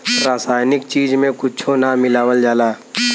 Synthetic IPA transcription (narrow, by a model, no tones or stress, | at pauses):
ɾaːsaːjnɪk̚t͡ʃiːd͡ʒmẽkʊt͡ʃʰonamɪlaːwəld͡ʒaːlaː